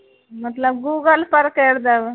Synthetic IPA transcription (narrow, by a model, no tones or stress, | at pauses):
mət̪ləb̚ɡuːɡəlpəɾkeɽd̪aʋə